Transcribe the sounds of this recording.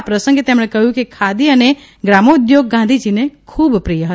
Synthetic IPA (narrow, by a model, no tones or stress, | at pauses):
pɾəsə̃ŋɡet̪emɽ̃ekəɦjũkekʰad̪iəne | ɡɾamoud̪joɡ̚ːãnd̪ʱid͡ʒinekʰubpɾijəɦə